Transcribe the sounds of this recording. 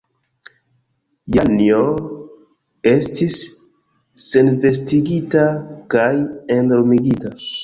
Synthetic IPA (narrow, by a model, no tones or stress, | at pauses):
janio | estisː | e̞nve̞s̬tiɡitakajendoɾmiɡita